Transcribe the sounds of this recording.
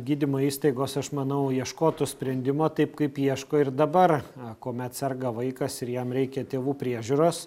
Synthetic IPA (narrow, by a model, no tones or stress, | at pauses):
ɡʲiːd̪ʲɪmoːiːst̪ɐɪɡoːsɐʃmɐnɐʊiɛʃkoːt̪oːsʲpʲɾʲɛnʲd̪ʲɪmoːt̪ɐɪpkɐɪpjiɛʃkoːɪrd̪ɐbɐrkoːmʲɛt̪sʲɛrɡɐʋɐɪkɐsɪɾjɛmɾʲɛɪkʲɛt̪ʲeːʋuːpʲɾʲiɛʒʲuːɾoːs